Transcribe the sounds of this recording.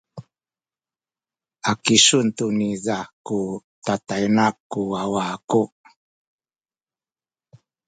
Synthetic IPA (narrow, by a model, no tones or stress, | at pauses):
akisuntunizakutatajnakːuawaku